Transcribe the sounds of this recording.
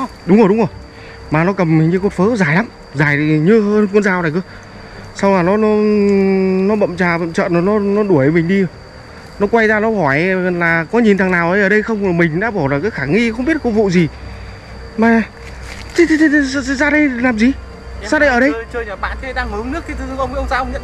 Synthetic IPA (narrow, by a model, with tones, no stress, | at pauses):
ɗʊ˨˦wŋ͡mʔə˨˩wɗʊ˨˦ŋ͡mʔə˨˩w | maː˨˩nɔ˨˦kə˨˩m˨˩ɲɨ˧ko˨˩tfəː˨˦zaː˨˩jla˨˦m | zaː˨˩jɲɨ˧ɦəː˧nknzaː˨˩wna˨˩kɨ˧ə | sa˧wlaː˨˩nɔ˨˦nɔ˨˦ | nɔ˨˦ɓə̰˧˨mt͡ɕaː˨˩ɓə̰˧˨mt͡ɕə̰ː˧˨n˨˦nɔ˨˦nɔ˨˦ɗu˧˩əjə˨˩jmï˨˩ŋ̟ɗi˧˨˩ | nɔ˨˦kwa˧jzaː˧nɔ˨˦hɔ˧˩jlaː˨˩kɔ˨˦ɲi˨˩nt̪ʰaː˨˩ŋnaː˨˩wʔəː˨˧jʔəː˨˩ɗə˧jxə˧wŋ͡ma˨˩mï˨˩ŋ̟ɗa̰ː˧˥ɓɔ˧˩laː˨˩kaː˨˦jxaː˧˩ŋi˧xwŋ͡mɓi˦˥ət̚ku˧˥vṵ˧˨zi˨˩ | maː˨˩ | t̪ʰi˧˦t̪ʰt̪ʰe˧t̪ʰsɨ˧˨szaː˧ɗə˧jlaː˨˩mzi˨˩ | saː˧ɗə˧jʔəː˨˩ɗə˧jəː˧jɲəː˨˩ɓa̰ː˧˨ntʰe˧ɗaː˧ŋhɨ˨˦ŋnɨ˦˥k̚ːt̪ɨ˧ɨ˧˦ʔə˧wŋ͡mə˧wŋ͡mzaː˧ʔə˧wŋɲə̰˧˨n